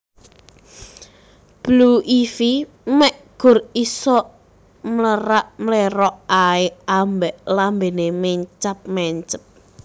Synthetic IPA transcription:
b̥luʔifi | mɛʔɡ̥ʊ̤risɔ | mləɾaʔmleɾɔʔaeʔambɛʔlambenemɛɲt͡ʃap̚mɛɲt͡ʃəp̚

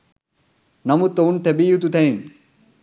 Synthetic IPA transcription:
nɐmut̪ːount̪ʰebijut̪ut̪ʰẽĩn

